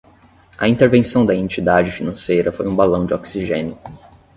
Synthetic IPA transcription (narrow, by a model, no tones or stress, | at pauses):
ɐĩnt̪eɾvẽsɐ̃w̃d̪ɐẽnt͡ʃid̪ad͡ʒɪfinɐ̃sejɾɐfojũbalɐ̃w̃d͡ʒɪɔksiʒẽnjʊ